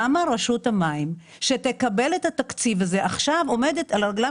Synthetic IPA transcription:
amaʁeʃuthamaim | ʃetekabe̞lethatakt͡sivaze̞ʔaχʃavo̞me̞detalʁeɡla

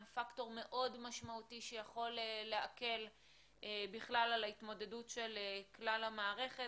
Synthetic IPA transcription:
fakto̞ʁme̞ʔo̞dmaʃmautiʃejaχo̞lelːeake̞l | ʔebiχlalalaitmo̞de̞dutʃe̞leklalamaːʁe̞χe

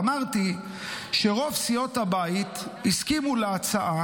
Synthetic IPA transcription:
maʁt̪i | ʃeʁo̞vsijo̞thabait̪hiskimuleat͡saʔa

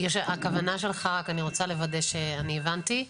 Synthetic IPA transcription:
jeʃakavanaʃe̞lχaʁakaniʁo̞t͡sale̞vad̪eʃeanievant̪i

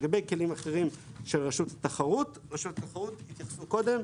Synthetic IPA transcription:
ɡabejke̞limaχeʁimʃe̞lʁaʃut̪at̪aχaʁut̪ | ʁaʃutat̪aχaʁut̪hit̪jaχsuko̞d̪e̞m

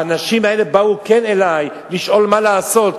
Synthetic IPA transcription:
anaʃimaele̞bauke̞ne̞laj | liʃʔo̞lmalaːso̞t̪

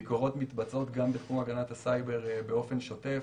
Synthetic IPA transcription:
iko̞ʁo̞tmitbat͡so̞tɡambet̪χumaɡanathasajbe̞ʁbeo̞fe̞nʃo̞te̞f

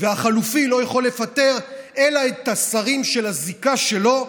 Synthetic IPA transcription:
veaχalufilo̞jeχo̞lːe̞fat̪e̞ʁe̞laet̪asaʁimʃe̞lazikaʃe̞lo̞

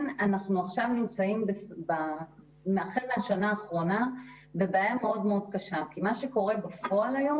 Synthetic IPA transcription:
nanaχnuaχʃavnimt͡saimbesba | meaχeʁmeaʃanaːχʁo̞na | bebajameo̞dmeodkaʃamkimaʃeko̞ʁe̞bafo̞alajo̞m

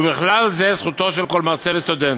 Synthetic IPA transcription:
bɪχlalzɛsχut̪oʃɛlkɔlmaʁt͡sɛlst̪ud̪ɛn

